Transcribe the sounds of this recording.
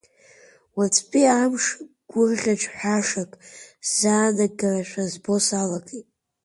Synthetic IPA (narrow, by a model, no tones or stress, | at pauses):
wat͡sʰʼpʼiamʂ | ɡ̥ʷʊrʁʲaʈ͡ʂʷʰʼħaʂakʼz̥aːdaɡaraʃʷʰᶣazbo̞salakʰʼetʼ